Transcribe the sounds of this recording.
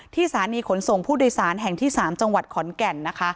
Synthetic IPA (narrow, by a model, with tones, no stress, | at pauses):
t̪ʰiː˥˩sʰaː˩˦niː˧kʰo˩˦nso˨˩ŋpʰuː˥˩doː˧jsaː˩˦nɦɛ˨˩ŋt̪ʰiː˥˩saː˩˦mt͡ɕa˧ŋwa˨˩t̪̚kʰɔ˩˦nkɛ˧nːa˦˥kʰa˦˥ʔ